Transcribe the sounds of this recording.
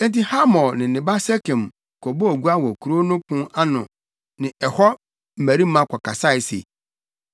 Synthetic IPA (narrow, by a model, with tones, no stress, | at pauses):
n̩˦ti˦ha˦mɔ̃˨nɪ̃˨nɪ̃˨ba˦sɛ˦kɛ̃˨m | kʰɔ˨bo˦o˨ɡu˦a˦wɔ˨kʰu˨ɾo˦nʊ̃˦kʊ̃˦a˦nʊ̃˨ | nɪ̃˨ɛ˨hɔ˦ | m̩˨mæ˨ɾi˦mã˦kʰɔ˨ka˨sa˦ɪ˨˦sḛ˨